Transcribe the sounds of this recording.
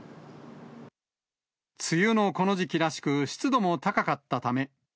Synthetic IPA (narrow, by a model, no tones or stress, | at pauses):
t͡sɨjɯno̞ko̞no̞ʑikʲiɾaɕi̥kɯ̟ɕi̥t͡sɨd̪o̞mo̞t̪akakat̪ːat̪ame̞